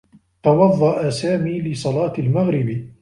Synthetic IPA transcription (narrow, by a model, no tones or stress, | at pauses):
t̪ɑwɑðˤːɑʔasaːmiːlɪsˤɑlɑːt̪almaɣɾɪb